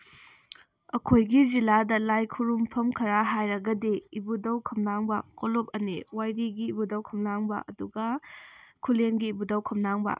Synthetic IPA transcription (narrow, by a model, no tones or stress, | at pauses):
ɐkʰojɡiziladɐlajkʰuɾumpʰɐmkʰɐɾaɦajɾɐɡɐdeibudɐwkʰɐmnaŋbɐkolop̚ɐniwajɾiɡiːbudɐwkʰɐmnaŋbɐ̰ʔɐduɡɐ | kʰuleŋɡiːbudɐwkʰɐmnaŋbɐ̰